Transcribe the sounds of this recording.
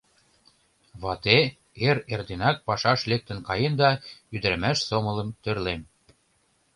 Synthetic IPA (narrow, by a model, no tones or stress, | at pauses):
βɑt̪e | eɾerd̪enɑk̚pɑʃɑʃlek̚t̪ə̆nkɑjend̪ɑyd̪ə̆ɾə̆mæʃsomɤ̆lə̆mt̪ørlem